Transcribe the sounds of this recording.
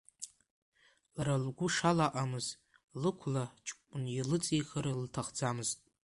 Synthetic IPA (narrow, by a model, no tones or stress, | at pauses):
lralɡʷʊʂalaʔamɨz | lɨkʷʰlat͡ʃʼnilɨt͡sʼixəɾltʰaχd͡zamɨztʼ